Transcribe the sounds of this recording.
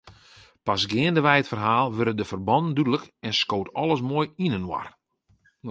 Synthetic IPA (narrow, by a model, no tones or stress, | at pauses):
pasɡɪəndəʋɛjətfərɦaːlˠʋøɾədəfərbɔnndydələkɛnskoːtɔlˠəsmoːjinənwa̰r